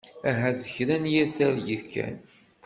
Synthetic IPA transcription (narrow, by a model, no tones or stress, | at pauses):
æɦæðəçɾænjæθæɾjiðkæ̰n